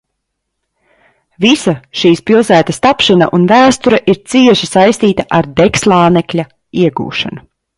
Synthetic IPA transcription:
visɐʃiːspilˠsæːt̪ɐst̪apʃanɐ̰ʔunvæːst̪uɾɐʔiɾt̪siɛʃisajst̪iːt̪ɐʔaɾd̪ɛkslˠaːnɛklʲɐ | iɛɡṵːʃa̰nu

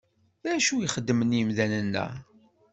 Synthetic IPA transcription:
æʃujəχəd̪ːmənjəmðænənːæ̰

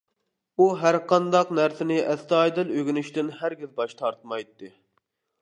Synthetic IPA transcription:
uɦæɾqʰɑnd̪ɑqnæɾsɪnɪʔɛst̪ɑjd̪ɨløɡʲinyʃt̪ɪnɦæɾɡʲizbɑʃt̪ʰɑɾt̪mɑjt̪ːɨ

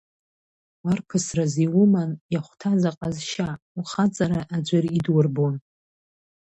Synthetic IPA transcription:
warpʰɨsraziwʊmanjaχʷtʰazaqʼazʃa | wuχat͡sʼaɾaʔad͡ʒʷɪridwʊrbon

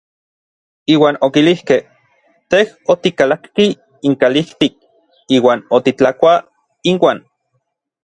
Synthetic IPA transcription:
iːwaːnokilihkeh | t̪ehot̪ikalakːiː | ŋkaliht̪ik̚ | iːwaːnot̪it͡ɬakʷa | inwaːn

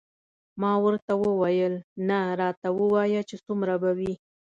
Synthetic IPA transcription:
mɑwəɾt̪awəwajəlnaɾɑt̪awəwɑjat͡ʃesumɾabawi

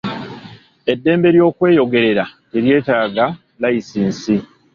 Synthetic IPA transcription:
e̞dːe̞ːmbe̞ɾjo̞ːkwe̞ːjo̞ɡe̞ɾe̞ɾateɾje̞ːtaːɡa | laisiːnsi

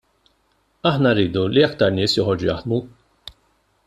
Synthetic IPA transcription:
ɐħnɐrːiːd̪uliɐkt̪ɐɾnɪːsjɔħɔɾd͡ʒujɐ̰ħd̪mu

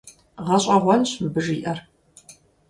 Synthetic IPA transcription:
ʁɐɕʼɐʁʷɔnɕbɨʒiːʔɐr

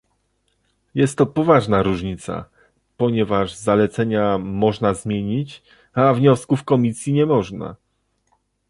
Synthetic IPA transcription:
jɛst̪ːɔpɔvaʐnaɾuʐɲit̪sa̰ | pɔɲɛvaʐzalɛt̪sɛɲamɔʐnazmʲjeɲit͡ɕ | avɲɔskufkɔmʲisʲjiɲɛmɔʐna̰

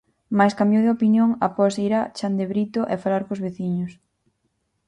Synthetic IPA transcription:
majskambjowðeopinjoŋapɔsiɾat͡ʃand̪eβɾit̪oʔefalaɾkozβeθiɲʊs

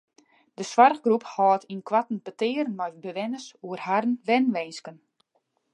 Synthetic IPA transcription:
d̥əswarɣɡruphɔːtʰinkwatn̩pətɪːɾənmɛjbəʋɛnəsuərhaɾən̩ʋɛnʋɛnskən

